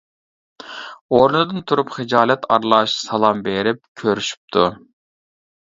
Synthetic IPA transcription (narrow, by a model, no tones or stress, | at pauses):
oɾnɨd̪ɨnt̪ʰuɾupχed͡ʒɑːlɛt̪ɑɾlˠɑʃsɑlˠɑmbeɾɪp̚kʲʰøɾyʃy̥p̚t̪ʰu